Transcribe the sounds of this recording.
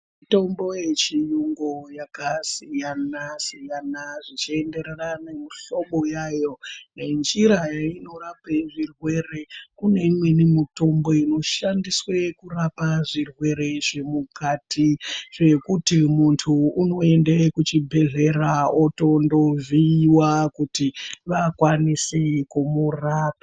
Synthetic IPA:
mto̞mbo̞jet͡ʃijuŋɡojakasijanasijanaʐit͡ʃie̞nde̞ɾeranemiɬo̞ɓo̞jajo̞ne̞nd͡ʒiɾajaino̞rapeʐirwe̞ɾe̞kune̞imwenimito̞mbo̞ino̞ʃandiswekurapaʐirwe̞ɾe̞ʐe̞mukatiʐe̞kutimuntʰuːno̞e̞ndekut͡ʃibʱe̞ɮe̞raoto̞ndo̞viːwakutiʋakwanisekumuraːpa

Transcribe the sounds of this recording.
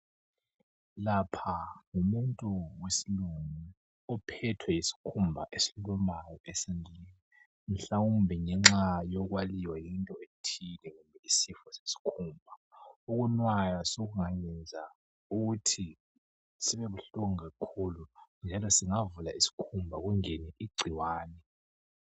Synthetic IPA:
lapʰaŋumuntʼuwesiluŋu | ɔpʰɛtʰwɛjisi̥kʰumbʱa̰ʔesilɔmajɔesinʱinɛ | m̩ɬawumbʱiŋɛŋ͡ǁajɔɣwaliwajintʼɔetʰinɛŋumbʱɛisifɔsesi̥kʰumbʱauɣunwajasoɣuŋajɛnd͡zʱa | uɣutʰi | siβɛβuɬoŋiɣakʰulund͡ʒʱalɔsiŋavulaisi̥kʰumbʱaɣuŋɛnɛʔiɡ͡ǀʱiwaːnɛ

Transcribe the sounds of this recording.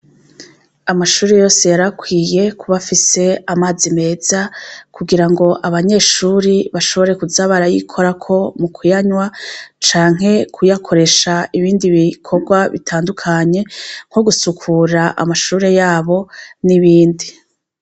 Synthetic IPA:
amaʃuːɾejo̞ːse̞jaɾakwiːje̞kʰuβafise̞amaːzime̞ːz̥akʰuɡiɾaŋɡo̞ʔaβaɲe̞ːʃuːɾiβaʃo̞βo̞ɾe̞kuzaβaɾajḭkʰo̞ɾakʰo̞mukʰujaɲwat͡ʃaːŋɦe̞kʰujakʰo̞ɾe̞ʃaiβiːndiβikʰo̞ɡwaβḭtʰaːndukʰaɲe̞ŋ̥ho̞ɡusukʰuːɾaʔa̰maʃuːɾe̞jaːβo̞niβiːndi

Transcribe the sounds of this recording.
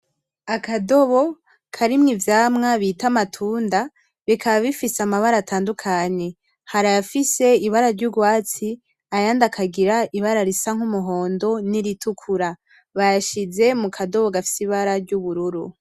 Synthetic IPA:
akado̞βo̞ | kʰaɾimŋivjaːmŋaβiːtamatʰuːnda | βikʰaβaβifisamaβaɾatʰaːndukʰaɲe̞ | haɾajafise̞iβaɾaɾɟuɡwaːt͡si | ajandakʰaɡiɾaiβaɾaɾisaŋ̥umuɦo̞ːndo̞niɾitukʰuɾa | βajaʃize̞mukʰado̞βo̞ɡafi̥siβaɾaɾɟuβuɾuɾṵ

